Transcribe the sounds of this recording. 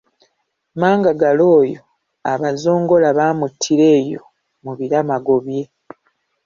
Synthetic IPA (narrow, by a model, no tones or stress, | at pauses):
maːŋɡaɡalo̞ːjo̞ | aβazo̞ːŋɡo̞laβaːmutʰːiɾe̞ːjo̞ | muβiɾamaɡo̞βje̞